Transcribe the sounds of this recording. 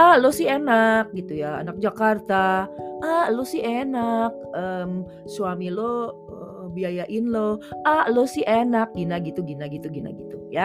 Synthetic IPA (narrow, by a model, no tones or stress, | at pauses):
ahlosɪenak̚ɡit̪ujaa̰nak̚d͡ʒakart̪aʔahlosɪɦenak̚əm | suamilo | ə | biajaʔɪnloʔahlosɪɦenak̚ɡinaɡit̪uɡinaɡit̪uɡina̰ɡit̪uja